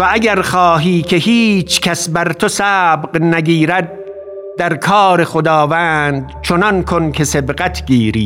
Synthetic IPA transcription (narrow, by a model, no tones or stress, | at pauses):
vææɡæɾχɒːɦiːkʰe̞hiːt͡ʃʰkʰʲæsbæɾt̪ʰosæːbɢnæɡiːɾæd̪̚ː | æɾkʰɒːɾe̞xod̪ɒːvæːnd̪t͡ʃʰonɒnkʰonkʲʰesebɢæt̪ʰɡiːɾḭː